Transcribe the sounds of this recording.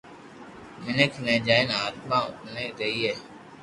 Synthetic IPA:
mɪnəkʰnẽːd͡ʒaːɪnaːt̪mãːʊ̰pneːɾeːiːɦɛː

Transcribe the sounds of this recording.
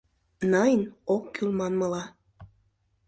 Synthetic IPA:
nɑjənokːylmɑnmɤ̆lɑ

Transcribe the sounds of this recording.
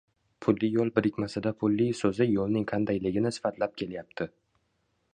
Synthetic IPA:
pʰʊlːijolˠbɪɾɪkʲmasɪd̪apʰʊlˠːɪsɵzɪjolˠnɪŋqʰɑnd̪ajlɪɡʲɪnɪsɪ̥fat̪ʰlap̚kʲʰe̞ljap̚t̪ʰɪ

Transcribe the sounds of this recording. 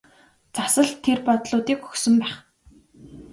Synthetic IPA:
t͡sasə̆ɮt̪ʰːerpɔt̪ɮʊːt̪iːkɵxsɵ̆mpæːχ

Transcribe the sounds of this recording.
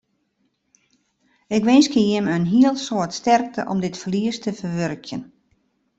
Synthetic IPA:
ɪkʋɪnskəjɪmənɦiəlˠsoətstɛrk̚tʰəʔɔ̰mdɪtfəliəstəfərʋørkʰjən

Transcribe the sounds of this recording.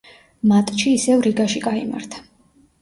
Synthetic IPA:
mat̪ʼʃiːsɛvɾiɡaʃiɡaima̰ɾt̪ʰḁ

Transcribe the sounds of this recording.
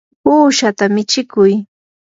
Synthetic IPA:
uːʃat̪amɪt͡ʃɪkʊj

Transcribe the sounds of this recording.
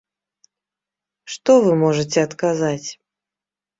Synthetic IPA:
ʂt̪ɔvɨmɔʐɨt͡sʲɛɐt̪kazat͡sʲ

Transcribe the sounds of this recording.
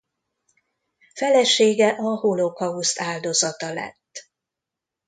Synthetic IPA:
fɛlɛʃeːɡɛʔɒholokɒust̪aːld̪o̞zɒt̪ɒlɛ̰t̪ː

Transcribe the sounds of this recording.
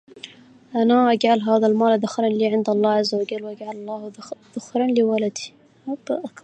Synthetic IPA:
ʔanaʔaɡʕalɦaːðalmaːlaðʊxɾˤɑnliːʕɪnd̪ɑlˤːɑːʕazːawaɡalwʔaɡʕalɑlˤːɑːhð̥ʊxɾˤɑnliwalad̪i̥ | abʔak

